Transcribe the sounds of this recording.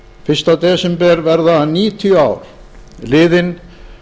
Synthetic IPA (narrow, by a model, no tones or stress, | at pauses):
fɪr̥st̪at̪ɛːsɛmpɛɾvɛɾðaniːt̪ʰjœaːwɾ̥ | lɪːðɪn